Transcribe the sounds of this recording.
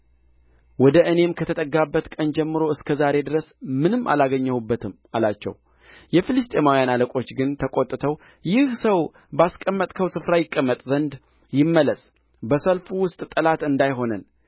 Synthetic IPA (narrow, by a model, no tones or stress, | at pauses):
wɔd̪əʔɨne̞mkʰət̪ʰət̪ʼəɡːabːət̪kʼənd͡ʒɛmːɨɾo̞ɨskʰəzaɾe̞d̪ɨɾəsmɨnɨmːʔa̰laɡəɲːəhubːət̪ʰɨm | alat͡ʃːɛ̰w | jɛfilɨst̪ʼe̞mawijanaləkʼo̞t͡ʃːɡɨnt̪ʰəkʼo̞t̪ʼːɨt̪ʰəw | jɪhsəw | baskʼəmːət̪ʼkʰəwsɨfɾajɪkʼːəmːət̪ʼzənd̪ | jɪmːələs | bəsəlfuwʊst̪ʼt̪ʼːəlat̪ɨnd̪ajɦo̞nən